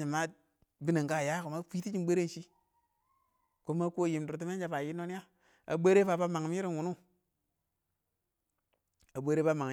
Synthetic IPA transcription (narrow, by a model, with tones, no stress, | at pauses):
i˨ma˦ | bi˦ne˨ŋka˦˨ja˦ku˨ma˦fi˦ti˦d͡ʒi˦n˦ɓe˦ɾe˦nʃi˦ | ko˦ma˦ku˦o˦˨ji˨m˨du˨ɾt̬i˦me˦d͡ʒa˦pa˨ji˦no˦n˦ja˦ | a̰˨be˦ɾe˦pa˨pa˦ma˨ŋ˨m˦i˦ɾi˦nwu˨nu˦ | a˨ɓe˦ɾe˦pa˦ma˨ŋ˨